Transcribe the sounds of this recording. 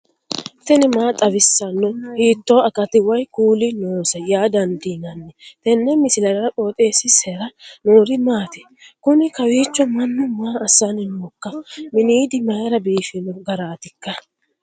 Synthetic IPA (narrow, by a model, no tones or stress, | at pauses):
t̪ɛnɪmaːt̪ʼɐwɪsːɐnːɔhiːt̪ːoːɐkʼɐt̪ɪwɐjkuːlɪnoːsɐjaːd̪ɐnd̪inɐnːɛt̪ɛnːɛmɪsɪlɐɾɐɾɐpʼoːt̪ʼeːsːɪsɛɾɐnoːɾɪmaːt̪ɛ̥ | kʊnɪkɐwiːt͡ʃːɔmɐnːʊmaːɐsɐnɪnoːkːɐmɪniːd̪ɪmɐjɐɾɐbiːfɪnɔɡɐɾaːt̪ɪkːɐ